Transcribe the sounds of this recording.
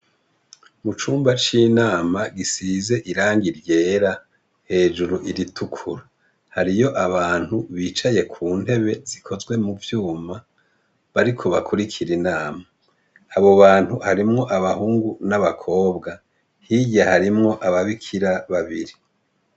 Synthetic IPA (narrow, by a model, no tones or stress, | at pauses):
mut͡ʃuːmbat͡ʃinaːmaɡisize̞ʔiɾaːŋɡiɾje̞ːɾa | he̞ːʒuɾuʔiɾitʰukʰuɾa | haɾijo̞ʔaβaːn̥huβiːt͡ʃaje̞kʰuːn̥he̞βe̞zikʰo̞zɡwe̞muvjuːma | βaɾikʰo̞βakʰuɾikʰiɾinaːmaː | βo̞βaːn̥huhaɾimŋo̞ʔaβahuːŋɡunaβakʰo̞ːbɡa | hijahaɾimŋo̞ʔaβaβikʰiɾaβaβiɾi